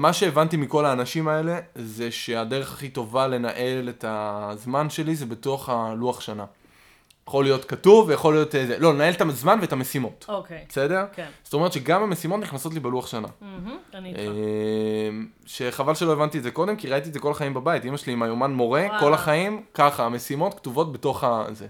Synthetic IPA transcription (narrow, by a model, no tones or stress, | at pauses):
maʃe̞ːvantimiko̞laːnaʃimae̞le̞ze̞ʃe̞ade̞ʁeχaχito̞vale̞naʔe̞letazmanʃe̞lize̞be̞toaχaluaχʃana | jaχo̞lijo̞tkatuvːejaχo̞lijo̞tezelo̞lenae̞letazmanveːtamesimo̞tokbese̞deʁz̥o̥t̪oe̞ett͡ʃʃeɡamame̞simo̞tniχnaso̞t̬libeluaχʃana | e | m | ʃe̞χavalʃelo̞evantietzeko̞demkiʁait̪iedzeko̞laχaimbabaitimaʃeliːmajo̞manmo̞ʁe̞ko̞laχaimkaχaːme̞simo̞tktuvo̞t̚beto̞χaze